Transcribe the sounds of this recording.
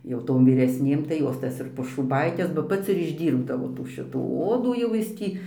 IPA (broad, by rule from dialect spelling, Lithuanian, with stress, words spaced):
jɛʊ ˈtoːm ʋʲiːrʲɛsʲˈnʲeːm tɐɪ ˈjoːs ˈtɐs ɪr poːʃuːˈbɐɪkʲɛs bɐ ˈpɐts ɪr ɪʒʲˈdʲiːrbdɐʋoː tuː ˈʃʲɪtuː ˈoːduː jɛʊ ˈjɪs ˈtʲiː